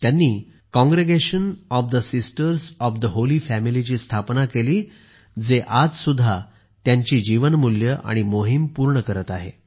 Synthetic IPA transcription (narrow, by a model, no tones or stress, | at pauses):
t̪janːiː | kɔ̃ŋɡɾeɡeɕənɔfd̪əsisʈəɾsɔfd̪əɦoliːfæmilit͡ɕiːst̪ʰapnakeliː | d͡zeʔad͡zsud̪ʱːa | t̪jaɲt͡ɕiːd͡ʑiʋənmuljəʔa̰ɽ̃imoɦimpuɾɳəkəɾət̪aɦḛ